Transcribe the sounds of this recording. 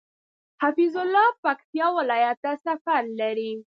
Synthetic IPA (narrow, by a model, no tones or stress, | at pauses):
hafizʊlːɑpakt̪ijɑwɪlɑjat̪asafaɾlaɾi